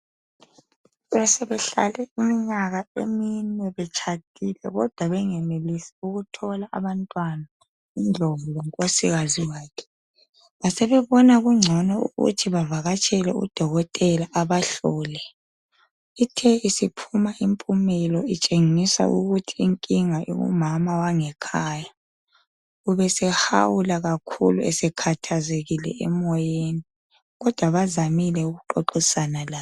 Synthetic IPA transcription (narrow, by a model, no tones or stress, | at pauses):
βɛsɛβɛɬa̰lɛimiɲaɣaḛminwɛβɛt͡ʃʰat̚ʰʼilɛ̰ɣɔd̥ʱwaβɛŋɛmelisi̥uɣutʰɔlaʔa̰βantʼwana | ind͡ɮʱɔβɔlɛŋkʼosiɣaziwaːkʰɛ̥ | βasɛβɛβɔnaɣuŋ͡ǀʱɔnɔṵɣṵtʰiβavaɣat͡ʃʼʰɛlɛ̰ṵd̥ʱɔɣɔtʼɛlaʔaβaɬɔːlɛ | itʰɛisipʰumaʔimpʼumɛlɔit͡ʃʼeŋisa̰ʔṵɣutʰiːŋkʼiŋajɔ̰ṵmamawaŋɛkʰaːja | uβɛsɛha̰wulaɣakʰṵluɛsɛkʰatʰazeɣilɛ̰ɛmɔjeni | ɣɔd̥ʱwaβazamilɛuɣuǃoǃisanala